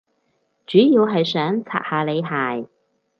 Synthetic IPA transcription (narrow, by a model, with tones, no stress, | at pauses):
t͡ʃyː˨˥jiː˧wɦɐ˨jsœː˨˥ŋt͡sʰa̰ː˨t̚haː˨˧le˨˧jɦaː˨˩j